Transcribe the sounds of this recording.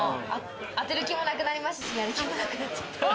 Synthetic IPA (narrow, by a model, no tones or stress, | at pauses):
at̪e̞ɾɯ̟kʲimo̞nakɯ̟naɾʲimasɨsɨaɾɯkʲimonakɯ̟nat͡ɕːḁt̪ː